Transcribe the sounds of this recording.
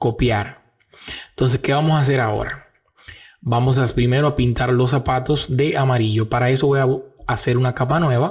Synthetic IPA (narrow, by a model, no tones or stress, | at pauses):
ko̞pjaɾ | ent̪o̞ns̬e̞ske̞βamo̞saːs̬e̞ɾao̞̰ɾa̰ | bamo̞s̬aspɾime̞ɾo̞apint̪aɾlo̞sːapat̪o̞sd̪e̞ʔamaɾiʝo̞paɾae̞so̞βo̞jaase̞ɾunakapanwe̞βa